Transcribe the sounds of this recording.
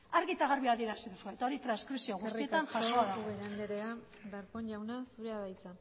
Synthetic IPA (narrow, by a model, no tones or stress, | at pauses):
aɾɣit̪aɣaɾβiaðie̞ɾasiðusue̞t̪aoɾit̪ɾanskɾisio̞ɣustrie̞tt̪anʝaʃoaðauβeɾand̪eɾea | baɾponʝawnasuɾeaðajt͡sa